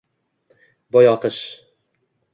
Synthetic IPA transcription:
bɒjɑqɤʃ

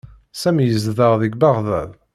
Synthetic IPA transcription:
sæmjəzðəʁðiɡbaʁðæ̰v

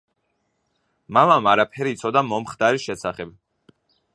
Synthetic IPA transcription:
mamamaɾapʰɛɾiːt̪sʰɔd̪amɔmχd̪aɾiʃɛsaχɛb̚

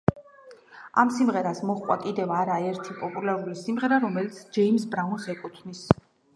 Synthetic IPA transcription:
a̰msimʁɛɾasmɔχkqʼwa̰kʼid̪ɛvaɾaɛɾt̪ʰipʼɔpʼulaɾulisimʁɛɾaɾɔmɛlit̪sʰd͡ʒɛims̬bɾaunsɛkʼut̪ʰnis

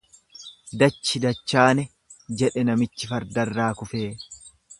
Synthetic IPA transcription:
d̪ɐt͡ʃːɪd̪ɐt͡ʃːaːnɛ | d͡ʒɛᶑɛnɐmɪt͡ʃːɪfɐɾd̪ɐrːaːkʊfeː

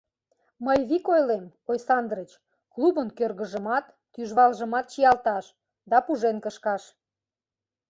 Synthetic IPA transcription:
məjβikojlem | ojsɑnd̪rət͡ɕ | klubənkørɣə̆ʒə̆mɑt̪ːyʒβɑlʒə̆mɑt̪̚t͡ɕijɑlt̪ɑʃ | d̪ɑpuʒenkəʃkɑʃ

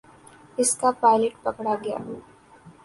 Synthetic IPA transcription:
ɪskapaːɪleʈpɐkɽaɡɐja̰ː

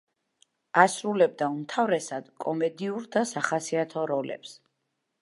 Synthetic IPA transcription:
asɾulɛb̚d̪aumt̪ʰavɾɛsad̪̥kʼɔmɛd̪iuɾd̪asaχasiat̪ʰɔɾɔlɛ̰ps

